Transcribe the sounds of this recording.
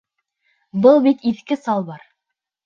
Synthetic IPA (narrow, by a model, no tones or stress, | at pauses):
bɤlˠbit̪iθkɘsɑlˠbɑɾ